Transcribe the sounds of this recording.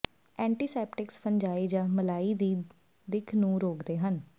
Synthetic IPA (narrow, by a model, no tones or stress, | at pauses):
ɛ̃ːɳʈiːsɛːpʈɪkspəɲd͡ʒaːiːd͡ʒãːməlaːiːd̪iː | d̪ɪkʰnũːɾoːkd̪eːɦən